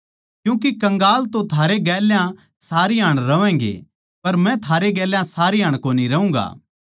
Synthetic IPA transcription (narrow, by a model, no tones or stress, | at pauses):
kjũːk̬ikɐ̃ŋɡaːlt̪õt̪ʰaːɾeɡɛːljã | saːɾiɦaːɽ̃ɾɐʋɛ̃ːŋɡḛ | pɐɾmɛ̃t̪ʰaːɾeɡɛːljãsaːɾiɦaːɽ̃koːniɾɐũːɡa̰ː